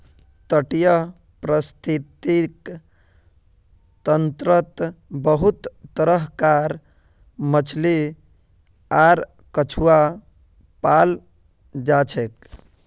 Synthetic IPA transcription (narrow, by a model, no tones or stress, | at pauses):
t̪əʈijə | pɾəst̪ʰit̪ik | t̪ənt̪ɾət̪bəɦut̪ːəɾəɦkaɾ | mət͡ʃʰli | aɾ | kət͡ʃʰua | pal | d͡ʒat͡ʃʰek